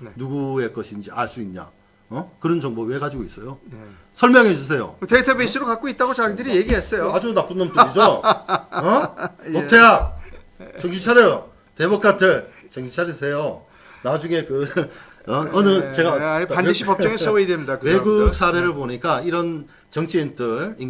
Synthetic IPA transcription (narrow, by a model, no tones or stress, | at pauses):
nuɡue̞k͈ʌɕʰind͡ʑia̰ɭs͈uinɲa̰ | ʌkɯɾʌnd͡ʑʌŋboweɡad͡ʑiɡois͈ʌjo | sʰʌɭmjʌŋɦe̞d͡ʑus̬ʰe̞jo̰tetʰebisʰiɾokak͈oit̚t͈aɡot͡ɕaɾidɯɾije̞ɡiɦes͈ʌjoad͡ʑunap͈unɯnpuɾid͡ʑo | ʌotʰeja | t͡ɕʌŋd͡ʑit͡ɕʰaɾjʌjo | tebuk͈ʰatʰɯɭ | t͡ɕʌŋd͡ʑʰit͡ɕʰaɾisʰe̞jo | nad͡ʑuŋe̞kɯ | ʌʌnɯt͡ɕe̞ɡataniɕʰipʌp̚t͡ɕ͈ʌŋeʌeidemɲdakweɡuk̚s͈ʰaɾe̞ɾɯɭpoɲik͈aiɾʌn | t͡ɕʌŋt͡ɕʰientʰɯɭi